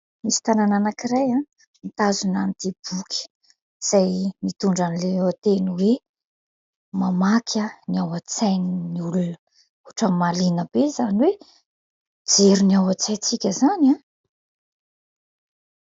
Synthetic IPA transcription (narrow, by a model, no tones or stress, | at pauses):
misi̥t̪anananakiɾaja | mit̪azunant̪ib̥ukʲʰə̥ | z̥ajmit̪uɳɖ͡ʐanileewat̪eniwe | mamakʲʰəniawat͡sajnniulunə | uʈ͡ʂəmalinəb̥ezaniwe | d͡zeɾuniawat͡sajt͡sikʲəzanã